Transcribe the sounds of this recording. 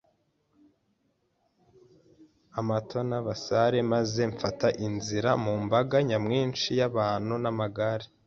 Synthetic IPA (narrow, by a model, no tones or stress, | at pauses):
amatʰo̞naβasaɾe̞maze̞ɱfataʔinziɾamumbaɡaɲamŋiːnʃijaβaːn̥hunamaɡaɾe